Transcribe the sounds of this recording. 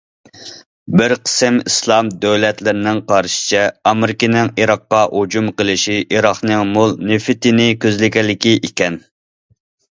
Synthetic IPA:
bɪɾqʰə̥sɪmḭslˠɑmd̪øwlɛt̪lɪɾɪnɪŋqʰɑɾʃɪ̥t͡ʃʰɛɑmɪɾɪkʲinɪŋiɾɑqːɑhud͡ʒumqəlˠɪʃiʔiɾɑχnɨŋmʊlˠnefɪt̪ɪnɪkʲʰøzlɪkʲɛlɪkʲiʔikʲɛn

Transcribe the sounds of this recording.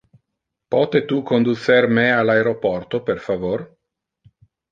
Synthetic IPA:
pɔːt̪et̪ukond̪usermealaeɾopɔrt̪operfavor

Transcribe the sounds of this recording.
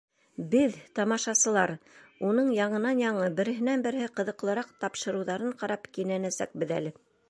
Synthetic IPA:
bɘðt̪ɑmɑʃɑsɤ̆lˠɑɾunɤɴjɑɴɤ̆nɑnjɑɴɤbɘ̆ɾɘ̆ɦɘ̆nænbɘ̆ɾhɘqɤ̆ðɤ̆qlˠɤ̆ɾɑqt̪ɑpʃɤ̆ɾɤ̆wðɑɾɤɴqɑɾɑpkinænæsæ̰k̚bɘðæ̰lɘ

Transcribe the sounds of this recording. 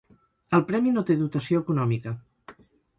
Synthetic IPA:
əlˠpɾɛminot̪eðut̪əsioəkunɔmikə

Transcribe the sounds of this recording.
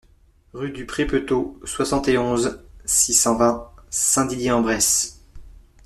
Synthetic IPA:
ʁyd̪ypχepøt̪oswasɑ̃t̪eɔ̃zsisɑ̃vɛ̃sɛ̃d̪injeɑ̃bʁɛs

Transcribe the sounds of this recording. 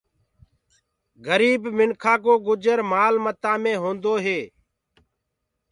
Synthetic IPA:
ɡəɾiːbmɪnkʰaːkoːɡʊd͡ʒəɾmaːlmət̪ãːmẽːɦõːnd̪oːɦeː

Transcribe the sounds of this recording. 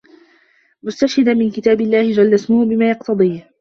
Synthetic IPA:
mʊst̪aʃhɪd̪anmɪnkɪt̪aːbɪlːaːhɪd͡ʒalːasmʊhbɪmaːjɑqt̪ʰɑd̪ˤiːh

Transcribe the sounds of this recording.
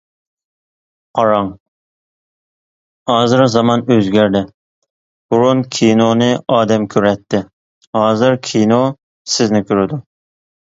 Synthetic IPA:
qʰɑɾɑŋ | hɑːzɨɾzɑmɑnøzɡʲæɾd̪ɪ | b̥uɾunkʲʰinonɨʔɑːd̪ɛmkʲʰøɾɛt̪ʰːɪ | hɑːzɨɾkʲʰino | sɪznɪkʲʰøɾɪd̪u

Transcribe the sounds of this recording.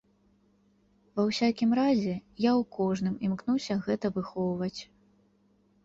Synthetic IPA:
vɐwsʲakʲimɾazʲɛjawkʰɔʐnɨmimknusʲɐɣɛt̪ɐvɨxɔwvɐt͡sʲ

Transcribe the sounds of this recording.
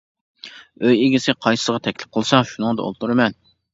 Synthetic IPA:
øjeɡʲisɪqʰɑjsɨ̥sʁɑt̪ʰɛkʲlɪp̚qʰəlˠɨsɑʃunəŋd̪ɑo̰lˠt̪uɾɨmɛn

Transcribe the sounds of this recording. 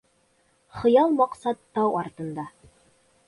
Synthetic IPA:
χɤ̆jɑlˠmɑqsɑt̪ːɑwɑɾt̪ɤ̆nd̪ɑ

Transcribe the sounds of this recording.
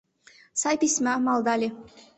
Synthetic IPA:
sajpʰismamald̪ali

